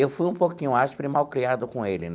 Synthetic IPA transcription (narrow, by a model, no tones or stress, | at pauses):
ewfujũpokĩɲʊaʃpɪɾɪmawkɾiad̪ʊkõelɪn